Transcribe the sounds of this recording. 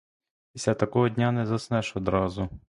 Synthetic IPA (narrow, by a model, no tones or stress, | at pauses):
isʲlʲat̪ɐkɔɦɔdʲnʲanɛzɐsnɛʃɔd̪ɾɑzʊ